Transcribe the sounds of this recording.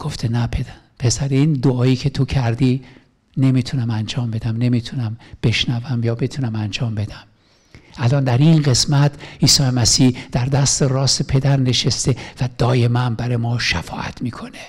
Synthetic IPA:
ɡ̥o̞ft̪ʰenæpʰeæ | pʰe̞sæɾeiːnd̪oɒːiːkʰe̞t̪ʰo̞cʰæɾd̪i | ne̞miːt̪ʰunæmænd͡ʒɒːmbe̞d̪æmne̞mit̪ʰunæmb̥e̞ʃnævæmjɒːbe̞t̪ʰunæmænd͡ʒɒːmbe̞d̪̥æm | ælɒːnd̪æɾinɢe̞smæt̪ʰʔiːsɒːjemæsiːhd̪̥æɾd̪æst̪eɾɒːsepʰe̞d̪æɾne̞ʃest̪e̞væd̪̥ɒːje̞mænbæɾejmɒːʃæfɒːʔæ̰t̪ʰmiːkʰo̞ne

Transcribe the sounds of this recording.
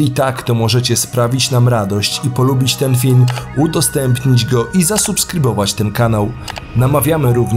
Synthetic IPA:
it̪akt̪ɔmɔʐɛt͡ɕɛspɾavʲit͡ɕnamɾad̪ɔɕt͡ɕipɔlubʲit͡ɕt̪ɛnfʲilmud̪ɔst̪ɛmpɲid͡ʑɡɔʔizasupskɾɘbɔvat͡ɕt̪ɛnkanawnamavʲjamɘɾuvɲ

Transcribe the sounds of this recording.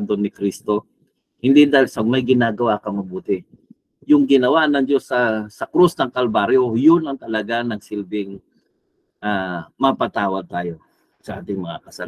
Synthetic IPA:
d̪onɪkɾist̪o̞ | hɪnd̪id̪aːhɪlsɐɡ̚mɐjɡɪnaːɡɐwaːkɐmɐbuːt̪ɪ | jʊŋɡɪnɐwanɐŋd͡ʒosːɐsɐkɾusnɐŋkɐlbaɾjojʊnɐŋt̪ɐlɐɡanɐŋsɪlbɪŋ | ʔamɐpɐt̪aːwɐd̪̚t̪aːjo̞ | sɐʔaːt̪ɪŋmɐŋa̰kɐsɐl

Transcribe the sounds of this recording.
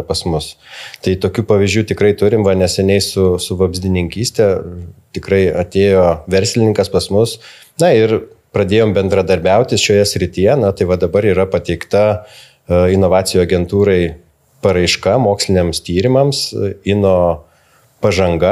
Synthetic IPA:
pɐsmʊst̪ɐɪt̪oːkʲuːpɐʋʲizʒʲd͡ʒʲuːt̪ʲɪkɾɐɪt̪ʊɾʲɪmʋɐnʲɛsʲɛnʲɛɪsʊsʊʋɐbʲzʲd̪ʲɪnʲɪŋʲkʲiːsʲt̪ʲɛt̪ʲɪkɾɐɪɐt̪ʲeːjoːʋʲɛɾʲsʲlʲɪnʲɪŋkɐspɐsmʊs | nɐɪr | pɾɐd̪ʲeːjoːmbʲɛnd̪ɾɐd̪ɐɾʲbʲɛʊt̪ʲɪsʃʲoːjɛsʲɾʲɪt̪ʲijɛnɐt̪ɐɪʋɐd̪ɐbɐɾiːɾɐpɐt̪ʲɛɪkt̪ɐ | ɪnoːʋɑːt͡ssʲɪjuːɐɡʲɛnt̪uːɾɐɪ | pɐɾɐɪʃkɐmoːksʲlʲɪnʲeɛmst̪ʲiːɾʲɪmɐmsɪnoː | pɐʒɐŋɡɐ

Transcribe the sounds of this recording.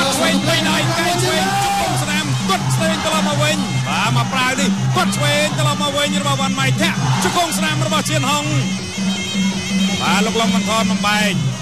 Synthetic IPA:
t͡ɕʰʋeːŋt̪ʰəjɗajkaɛŋsʰʋeːŋt͡ɕop̚koŋsnamk̪ʊ̆ət̪̚sʰt̪eːŋt̪əlɑp̚mɔwʋɨɲɓaːmapraəwnik̪ʊ̆ət̪̚sʰʋeːŋt̪əlɑp̚maːwʋɨɲrɔɓɑʋanmaɛjt̪ʰɛ̆əʔt͡ɕokoŋsnamrɔɓɑht͡ɕiənhoŋ | ɓaːloːk̚loŋɓɑŋkʰɑːnɓɑnɓaɛŋ

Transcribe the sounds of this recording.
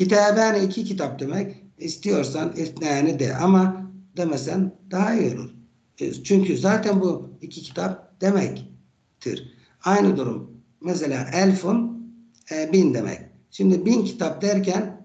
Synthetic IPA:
cit̪ʰaːbianiːcʰicʰit̪ʰap̚d̪e̞mɛc | ist̪ijo̞ɾsanit̪naːnid̪ɛ̰ʔamad̪emɛsænd̪aɦajolṵɾ | t͡ʃʰyɲcʰyzaːt̪ʰænbuicʰicʰi̥t̪ʰap̚d̪̥e̞mɛc | t̪ʰḭɾ | ajnɯd̪uɾṵmː | ɛselʲaːʔælʲfun | ɛbind̪e̞mɛ̰c | ʃimd̪ibincʰi̥t̪ʰap̚d̪æɾcʰæn

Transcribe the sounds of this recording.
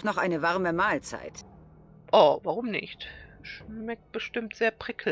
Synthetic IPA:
tnɔχʔaɪnəvaʁməmaːlt͡sa̰ɪt | ʔɔvaʁʊmnɪ̰çtʃmɛk̚t̚b̥əʃtɪmtz̥eːɐpʁ̥ɪkʰ

